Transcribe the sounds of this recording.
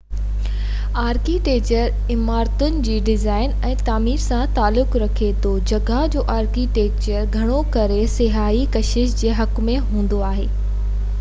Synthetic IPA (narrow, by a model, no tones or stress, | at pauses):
aːɾkiʈeːk̚t͡ɕəɾ | ɪmaːɾt̪ʊnɪ̆d͡ʑiːɖɪzaːɪnɛ̃ːt̪aːmiːɾsãt̪aːlːʊkɾɐkʰet̪od͡ʑɐɡʱad͡ʑoːʔaːɾkiʈeːk̚t͡ɕəɾɡʱɐɽ̃okɐɾesɪɦaːikɐʃɪʃd͡ʑeːɦɐkmẽɦũːn̆d̪oaːɦeː